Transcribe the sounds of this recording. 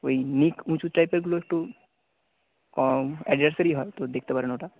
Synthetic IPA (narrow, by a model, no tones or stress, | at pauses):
oinikũt͡ʃuʈɾajpeɾɡuloek̚ʈu | kɔɛɖʋəɾsəɾiɦɔet̪od̪ek̚ʰt̪epaɾenoːʈa